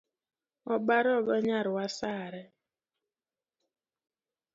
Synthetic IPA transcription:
ɔbaɾɔɡɔɲaɾwasaɾɛ

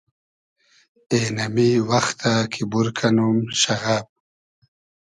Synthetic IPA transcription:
enamiwaxt̪ʰakʰibuɾkʰanumʃaɣab̚

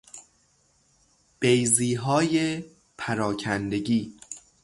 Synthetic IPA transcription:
b̥ejziːɦɒːje | pʰæɾɒːcʰænd̪eɟiː

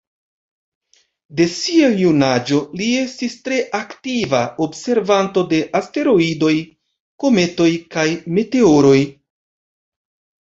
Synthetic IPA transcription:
de̞siajunad͡ʒo̞lie̞stistɾe̞ʔaktivaʔo̞bse̞ɾvanto̞de̞ʔaste̞ɾo̞ido̞j | ko̞me̞to̞jkajme̞te̞o̞ɾo̞j

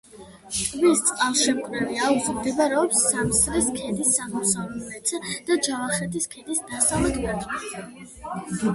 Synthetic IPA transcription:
tʼvist̪sʼqʼalˠʃɛmkʼɾɛviauksmd̪ɛbaɾɛɔpsːamsɾiskʰɛd̪isːamɔsavlɛlɛt̪sʰɛd̪̥ad͡ʒavaχɛt̪ʰiskʰɛd̪isd̪asavlɛt̪ʰʼmat̪ʼma

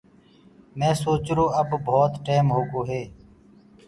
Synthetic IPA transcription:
mɛ̃ːsoːt͡ʃɾoːəbbʱoːt̪ʈeːmɦoːɡoːɦeː

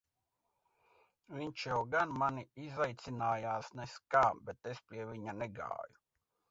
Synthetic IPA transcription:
vʲiɲt͡ʃjɛwɡanmaniizajt̪sinaːjaːsnɛskaːbɛt̪espʲiɛvʲiɲanɛɡa̰ːju

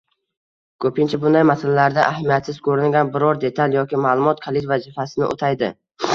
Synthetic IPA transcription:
kʰɵpʰɪnt͡ʃʰabʊnd̪ajmasalalaɾd̪aʔahamijat̪sɪz̥kʰɵɾɪnɡʲanbɪɾɒɾd̪e̞t̪ʰalˠjɒkʲɪmaːlˠʊmɒt̪kʰalˠɪt̪vazɪfasɪnɪ̰ʔo̰t̪ʰajd̪ɪ

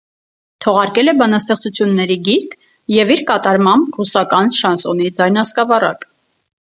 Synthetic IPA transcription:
t̪ʰɔʁɑɾkɛlɛbɑnɑst̪ɛχt͡sut͡sʰjunːɛɾiɡiɾk | jɛviɾkɑt̪ɑɾmɑmbrusɑkɑnʃɑnsɔnid͡zɑjnɑskɑvɑrɑ̰k

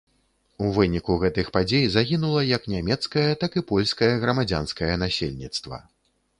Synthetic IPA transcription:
uvɨnʲikuɣɛt̪ɨxpad͡zʲejzaɣʲinulˠɐjɐknʲamʲɛt̪skɐjɐt̪akɨipɔlʲskɐjɐɣɾɐmad͡zʲa̰n̪skɐjɐnasʲḛlʲnʲit̪st̪vɐ̰

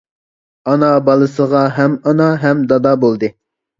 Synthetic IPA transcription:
ɑnɑbɑlˠɨsəʁɑɦɛmɑnɑɦɛmd̪ɑd̪ɑːbolˠd̪ɨ

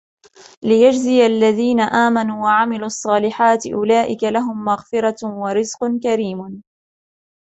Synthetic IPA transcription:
lɪjad͡ʒzɪjalːaðiːnaʔaːmanuːwaʕamɪluːɑsˤːɑːlɪħaːt̪ɪʔʊlaːʔɪkalaɦʊmːaɣfɪɾˤɑwaɾɪzqnkaɾiːm

